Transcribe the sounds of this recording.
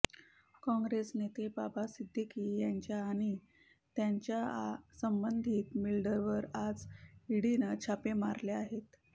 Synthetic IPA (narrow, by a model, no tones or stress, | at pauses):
kɔ̃ŋɡɾesnet̪ebabasid̪ʱːikijaɲt͡ɕjaːɽ̃i | t̪jaɲt͡ɕjasəmbənd̪ʱiːt̪milɖəɾʋəɾad͡ziɽinət͡ɕʰapema̰ɾleaɦet̪